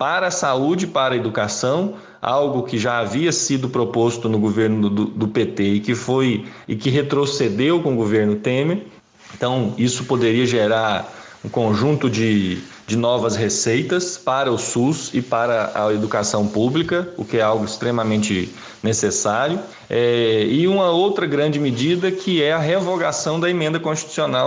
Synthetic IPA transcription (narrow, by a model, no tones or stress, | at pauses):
paɾɐːsaud͡ʒɪɪpaɾɐed̪ukasɐ̃w̃ | a̰wɡʊkɪʒaaviɐsid̪ʊpɾopost̪ʊnʊɡoveɾnʊd̪ʊd̪ʊpet̪eɪkɪfojɪkɪɦet̪ɾosed̪ewkõʊɡoveɾnʊt̪ẽmeɾ | ẽnt̪ɐ̃w̃isʊpod̪eɾiɐʒeɾaɾ | ũkõʒũt̪ʊd͡ʒɪ | d͡ʒɪnɔvɐsɦesejt̪ɐspaɾɐʊsuzɪpaɾɐɐ̰ed̪ukasɐ̃w̃publikɐʊkɪɛawɡʊɪst̪ɾẽmɐmẽnt͡ʃɪ | nesesaɾjʊ | ɛɪũmɐowt̪ɾɐɡɾɐ̃d͡ʒɪmɪd͡ʒid̪ɐkʰɪɛɐɦevoɡasɐ̃w̃d̪ɐemẽnd̪ɐkõst͡ʃi̥t̪u̥sionaw